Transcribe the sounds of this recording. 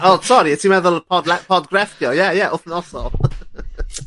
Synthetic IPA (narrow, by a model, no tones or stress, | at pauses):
ɔsɔɾiətʰimɛðʊlˠəpʰɔdlɛpʰɔd̚ɡɹɛfkjɔjajaʔʊθənɔsɔ̰lˠ